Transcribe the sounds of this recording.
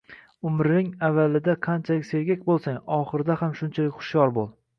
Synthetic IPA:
ʊmɾɪnɪŋavːalɪd̪aqʰɑnt͡ʃʰalɪkʲse̞ɾɡʲakʲbolˠsaŋɒχɨɾɪd̪ahamʃʊnt͡ʃʰalɪkʲχʊ̥ʃjɒɾbolˠ

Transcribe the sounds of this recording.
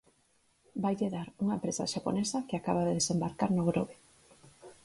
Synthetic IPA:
bajʎeðaɾuŋaempɾesa̰ʃapo̰nesakɪakaβaðeðesembaɾkaɾnoɣɾoβe

